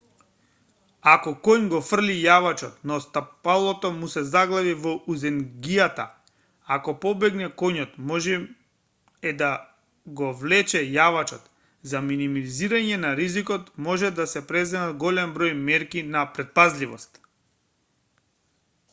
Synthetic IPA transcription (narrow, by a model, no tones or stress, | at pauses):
akɔkɔɲɡɔfr̩lijavat͡ʃɔt̪nɔst̪apalˠɔt̪ɔmusɛzaɡlˠavivɔʔuzɛŋɡijat̪a | akɔpɔbɛɡnɛkɔɲɔt̪mɔʒɛ | ɛd̪a | ɡɔvlɛt͡ʃɛjavat͡ʃɔt̪ | zaminimiliziɾaɲɛnaɾizikɔt̪mɔʒɛd̪asɛpɾɛzɛmad̪ɡɔlɛmbɾɔjmɛɾkinapɾɛt̪̚pazlivɔ̰st̪